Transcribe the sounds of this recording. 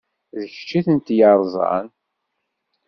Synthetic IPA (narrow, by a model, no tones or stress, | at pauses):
ðəçt͡ʃːiθənt̪jəɾˤzˤɑ̰n